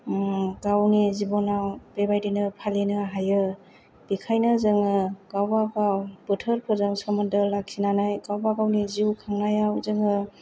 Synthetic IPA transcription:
ɡawnizibɔnawbebajdinɯpʰalenɯɦajɯ | b̥ikʰajnɯzɯŋɯɡ̥awbaɡawbɯtʰɯɾpʰɯzɯŋsɔmɯndɯlak̚sinanajɡawbaɡawniziwkʰaŋnajawzɯŋɯ

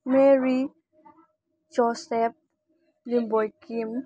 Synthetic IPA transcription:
meɹi | d͡ʒɔsɛp̚ | limbɔjkim

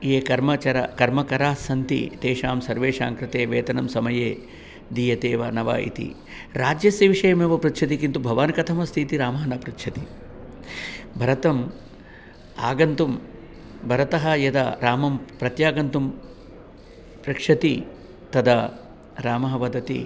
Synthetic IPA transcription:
jeːkɐɾmɐt͡ʃɐɾɐ̰kɐɾmɐkɐɾaːsɐnt̪ḭt̪eːʃaːmsɐɾʋeːʂaːŋkɾɪt̪eːʋeːt̪ɐnɐmsɐmɐjeː | d̪iːjɐt̪eːʋɐnɐʋa̰ːʔḭt̪ḭ | ɾaːd͡ʒjɐsjɐʋiʂɐjɐmeːʋɐpɾɐt̪ʃʰɐt̪̬ikint̪ubʱɐʋaːnɐkɐt̪ʰɐmɐst̪ʰit̪iɾaːmɐɦɐnɐpɾut̪ʃʰɐt̪i | bʱɐɾɐt̪ɐm | aːɡɐnt̪um | bʱɐɾɐt̪ɐɦɐjɐd̪ɐɾaːmɐmpɾɐt̪jaːɡɐnt̪um | pɾɐkʂɐt̪i | t̪ɐd̪ɐ | ɾaːmɐɦɐʋɐd̪ʱɐt̪ḭ

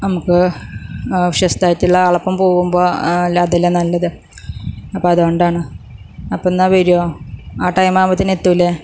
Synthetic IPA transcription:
nɐmukːɨ | ʋiʂɐst̪ʰaːtːiɭːɐɐɭɐpːɐmpo̞ːɣumbo̞ːlɐd̪elːenɐlːɐðɨ | ɐpːoːɐðoɳɖaːɳɨ | ɐpːonːaːʋeɾijoːaːʈɐjmaːmɐt̪ːinet̪ːuilːe

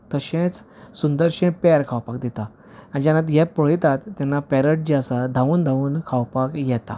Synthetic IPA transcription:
t̪əɕẽt͡ssund̪əɾɕɛ̃pɛɾkʰawpakd̪it̪a | ãd͡ʑanat̪jɛpəɭ̤jt̪at̪ːɛnːapɛɾəʈ̚d͡ʑiasad̪ʱaʋuːnd̪ʱaʋuːnkʰawpakjɛt̪a̰

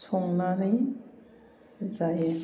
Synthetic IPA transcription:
sʰɔŋnanaj | zaje

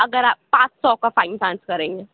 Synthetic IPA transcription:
ɐɡəɾaːp̚pãːt͡ʃsɔkafaːɪnsãːnskɐɾẽːŋɡeː

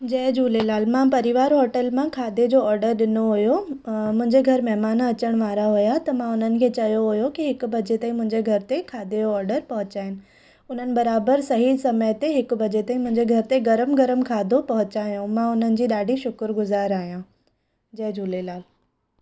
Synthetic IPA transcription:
d͡ʑɛːd͡ʑʱuːlelaːlmãpɐɾɪʋaːɾɦɔːʈəlmãkʰaːd̪ʱed͡ʑoːɔːɾɖəɾɗɪnoɦʊjomʊ̃ɦɪ̃ɲd͡ʑeɡʱɐɾmɛɦmaːnɐt͡ɕəɽ̃ʋaːɾaɦʊjat̪ɐmãʊn̤ənɪ̆kʰeːt͡ɕɐjoɦʊjokiɦɪkbʱɐd͡ʑet̪aĩmʊ̃ɦɪ̃ɲd͡ʑeɡʱɐɾɪt̪ekʰaːd̪ʱeoɔːɾɖəɾpɐɦʊ̃t͡ɕaːɦɪnɪ̆ | ʊn̤ənɪ̆bɐɾaːbəɾsɐɦisɐməjt̪eɦɪkbʱɐd͡ʑet̪ɐĩmʊ̃ɦɪ̃ɲd͡ʑeɡʱɐɾɪt̪eɡɐɾəmɡɐɾəmkʰaːd̪ʱopɐɦʊ̃t͡ɕaːɦijũmãʊn̤ənɪ̆d͡ʑiːɗaːɖʱiʃʊkɾɡʊzaːɾaːɦijã | d͡ʑɛːd͡ʑʱuːlelaːl

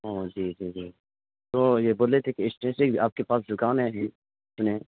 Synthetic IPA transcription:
ɦoːd͡ʒiːd͡ʒiːd͡ʒiː | t̪oːjeboːlet̪ʰekeɪsʈẽːsẽɡaːp̚kepaːs̬d͡ʒʊkaːnɦɛɦɛ̃ | t͡ʃne

